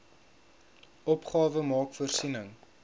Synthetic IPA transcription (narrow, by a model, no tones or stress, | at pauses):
ɔpχɑːvəmɑːkfuərsinəŋ